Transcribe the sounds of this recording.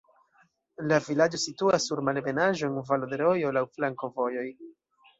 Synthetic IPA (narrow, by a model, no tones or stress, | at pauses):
lavilad͡ʒo̞situasːuɾmalbe̞naʒo̞envalod̪e̞ɾo̞jo̞lawflaŋko̞vo̞jo̞j